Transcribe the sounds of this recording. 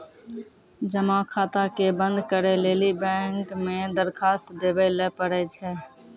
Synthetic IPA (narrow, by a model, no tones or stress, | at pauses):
d͡ʒəmãːkʰaːt̪akebənd̪kəɾeleːlibɛ̃ːŋkmẽd̪əɾkʰaːst̪d̪eːbəleːpəɾɛːt͡ʃʰɛː